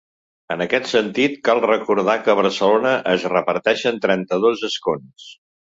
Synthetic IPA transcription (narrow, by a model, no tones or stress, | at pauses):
ənəkɛt̪sənt̪it̪kalˠrəkuɾð̞akəβəɾsəlonəʔəzrəpəɾt̪ɛʃənt̪ɾɛnt̪əðozəskons